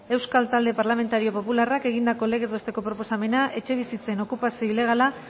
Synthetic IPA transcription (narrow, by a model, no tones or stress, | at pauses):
e̞wskalt̪ald̪e̞paɾlame̞nt̪aɾio̞po̞pularake̞ɣind̪ako̞le̞ɣ̞e̞zβe̞st̪e̞ko̞pɾo̞po̞same̞naʔe̞t͡ʃe̞β̞isit͡se̞no̞kupasio̞ile̞ɣ̞ala